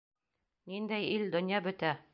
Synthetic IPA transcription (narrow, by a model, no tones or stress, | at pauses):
nind̪æjild̪ɵ̆njɑbɵ̆t̪æ